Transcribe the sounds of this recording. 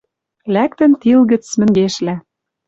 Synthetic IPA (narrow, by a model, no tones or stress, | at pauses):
læk̚t̪ə̆nt̪ilɣə̆t͡smɘ̆ŋɡeʃlæ